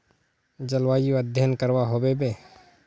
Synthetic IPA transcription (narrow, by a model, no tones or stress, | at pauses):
d͡ʒəlwaːjoəd̪ʱjənkəɾwaɦoːbebe